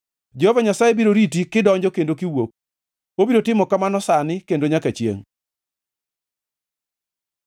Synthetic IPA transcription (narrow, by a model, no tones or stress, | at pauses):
d͡ʒɛhovaɲasajebiɾoɾit̬ikɪdɔɲd͡ʒɔkendokɪwok̚ | obiɾotɪmɔkamanɔsanɪkendoɲakat͡ʃjḛŋ